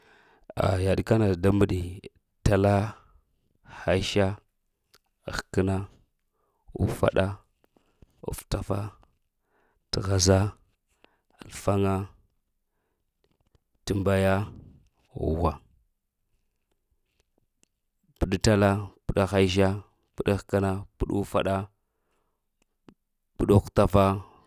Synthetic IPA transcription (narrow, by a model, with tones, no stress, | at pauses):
a̰˨ja˨ɗka˦na˨da˦mə˨ɗi˨ | ta˨la˦ | xa˦i˦ʃa˦ | a̰˨xkə˦na˦ | ṵ˦fa̰˦ɗa˦ | ṵ˨fta˦fa˦ | tə˨ɣa˨za˦ | a˨lfa˦ŋa˦ | tə˨mba˨ja˦ | ṵ˨wa˨ | pə˨ɗta˦la˦pə˨ɗa˦xa˦i˦ʒa˦ | pə˦ɗa˦xkə˦na˦pu˦ɗu˦fa̰˦ɗa˦ | pu˨ɗu˦kta˦fa˦